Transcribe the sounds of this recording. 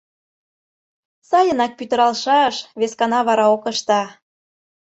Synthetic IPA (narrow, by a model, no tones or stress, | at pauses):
sɑjə̆nɑk̚pyt̪ə̆ɾɑlˠʃɑʃβeskɑnɑβɑɾɑokə̆ʃt̪ɑ